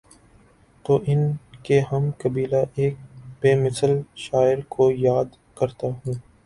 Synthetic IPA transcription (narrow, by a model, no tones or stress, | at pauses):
t̪oːʔɪnkeɦɐmkɐbiːlaʔeːk̚beːmɪsəlʃaːɪɾkʰojaːd̪ | kɐɾt̪aɦũː